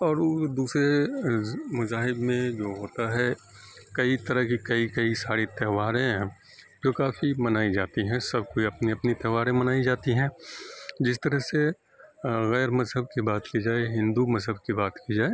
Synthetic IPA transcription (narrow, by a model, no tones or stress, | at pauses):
ɔːɾod̪uːsɾe | mʊzaːɦɪbmẽd͡ʒoːɦoːt̪aɦɛ | kɐit̪ɐɾəɦkikɐikɐisaːɾit̪ɛɦʋaːɾẽ | d͡ʒoːkaːfimɐnaːid͡ʒaːt̪iɦɛ̃sɐb̚ʱkoiɐpniɐpnit̪ɛɦʋaːɾẽmɐnaːid͡ʒaːt̪iɦɛ̃ | d͡ʒɪst̪əɾəɦse | ɣɛːɾmɐzɦəb̚kibaːt̪kid͡ʒaːeɦɪ̃nd̪umɐzɦəb̚kibaːt̪kid͡ʒaːe